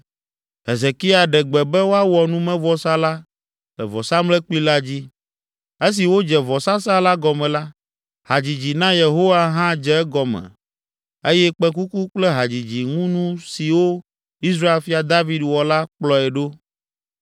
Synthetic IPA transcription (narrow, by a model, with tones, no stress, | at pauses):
ɦe˨ze˨ki˦a˨ɖɛ˨ɡ͡bɛ˨bɛ˦wo˦a˦wɔ˨nũ˦mɛ̃˦vɔ˦sa˦la˦ | lɛ˨vɔ˨sa˦mlɛ˦k͡pi˦la˦d͡ʑi˦ | e˦s̬i˨wo˦d͡ʒɛ˨vɔ˨sã˦sa˦la˦ɡɔ˨mɛ̃˨la˦ | ha˨d͡ʑi˨d͡ʑi˨nã˦je˨ɦo˦wa˦ɦã˦d͡ʒɛ˦ɛ˦ɡɔ˨mɛ̰̃˨ | e˦jɛ˦k͡pɛ˦ku˦ku˦k͡plɛ˦ɦa˨d͡ʑi˨d͡ʑi˨ŋũ˦nũ˦si˨wo˦ | i˦s̬ɾa˦e˨lfi˦a˨d̪a˦vi˦dwɔ˨la˦k͡plɔ˨ɛ˨ɖo˦